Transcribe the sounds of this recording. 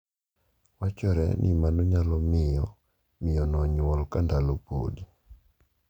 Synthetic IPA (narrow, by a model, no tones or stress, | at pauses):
wat͡ʃɔɾɛ̰nʔɪ̰manɔɲalɔmɪjɔ | mɪjɔnɔɲwɔlkandalopo̰di